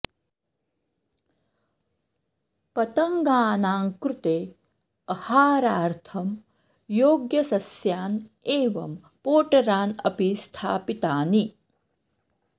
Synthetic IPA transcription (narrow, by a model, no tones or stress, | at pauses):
pɐt̪ɐŋɡaːnaːŋkɾut̪eː | ɐhaːɾaːɾt̪ʰɐm | joːɡjɐsɐsjaːneːʋɐm | poːʈɐɾaːnɐ̰pist̪ʰaːpit̪aːni